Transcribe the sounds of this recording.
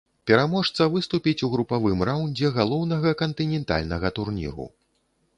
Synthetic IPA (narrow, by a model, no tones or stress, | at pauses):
pʲɛɾamɔʂt̪sɐvɨst̪upʲit͡sʲuɣɾupavɨmrawnʲd͡zʲɛɣalˠɔwnɐɣɐkɐnt̪ɨnʲɛnt̪a̰lʲnɐɣɐt̪urnʲḭɾṵ